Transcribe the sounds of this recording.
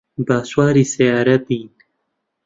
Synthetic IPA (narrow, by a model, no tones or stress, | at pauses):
baːswaːɾiːsɛjaːɾɐt̪̚iːn